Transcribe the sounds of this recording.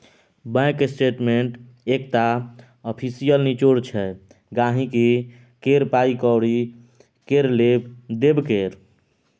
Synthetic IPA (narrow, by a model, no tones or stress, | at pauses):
bɛ̃kesʈeʈmeɳʈ | ekt̪a | ɔpʰisijəlnit͡ʃoɾt͡ʃʰɛ | ɡaɦĩki | keɾpaikɔwɾi | keɾlebd̪ebkeɾ